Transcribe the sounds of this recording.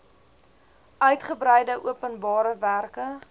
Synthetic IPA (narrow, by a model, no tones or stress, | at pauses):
œɥtχəbɾɛjdəʔuəpənbɑːɾəværkə